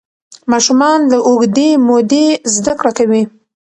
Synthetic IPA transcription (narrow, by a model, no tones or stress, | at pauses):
mɑʃumɑnləʔoɡd̪emod̪ezd̪akɽakawi